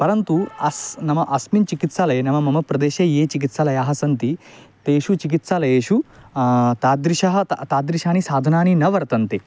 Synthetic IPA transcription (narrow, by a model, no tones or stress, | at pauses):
pɐɾɐnt̪uɐsnɐmɐʔɐsmint͡ʃikit̪saːlɐjenɐmɐmɐmɐpɾɐd̪eːʃɐjeːt͡ʃik̬it̪salɐjaːɦɐ̆sɐnt̪i | t̪eːʃut͡ʃik̬it̪saːlɐjeːʃu | t̪aːd̪ɾiʃɐɦɐ̆t̪aːd̪ɾiʃaːnisaːd̪ʱɐnaːninɐʋɐɾt̪ɐnt̪i